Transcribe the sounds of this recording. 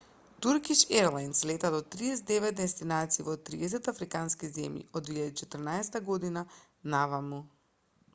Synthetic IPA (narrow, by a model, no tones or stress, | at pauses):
t̪uɾkiʃɛɾlˠajnslɛt̪ad̪ɔt̪ɾiɛsd̪ɛvɛt̪̚d̪ɛst̪inat̪siːvɔt̪ɾḭɛs̬ɛt̪afɾikanskizɛmjḭɔd̪viʎad̪it͡ʃɛt̪ərnaɛsɛt̪aɡɔd̪ina | navamu